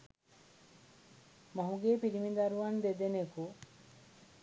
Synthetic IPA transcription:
moɦuɡeːpiɾimid̪aɾuʋɐnd̪ed̪eneku

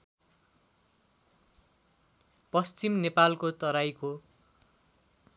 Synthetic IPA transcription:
pʌst͡simnepalkot̪ʌɾajko

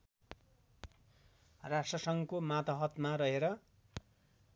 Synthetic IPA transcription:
rasʈrʌsʌŋkomat̪ʌɦʌt̪maɾʌɦeɾʌ

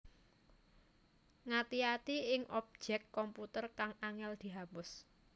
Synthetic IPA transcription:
ŋat̪iat̪iɪŋʔɔp̚d͡ʒ̥ɛkːɔmput̪ərkaŋaŋɛld̪̥i̤ɦapʊs

